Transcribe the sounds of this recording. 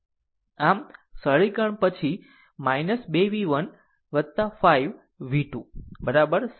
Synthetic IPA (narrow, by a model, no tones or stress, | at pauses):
amsəɭikəɳpət͡ʃʰi | majnəsbeʋiʋən | ʋət̪afaiʋː | iʈũbəɾabəɾ